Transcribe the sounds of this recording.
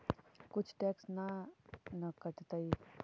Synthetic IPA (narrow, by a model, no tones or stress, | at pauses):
kut͡ʃʰʈɛksnanəkəʈt̪əi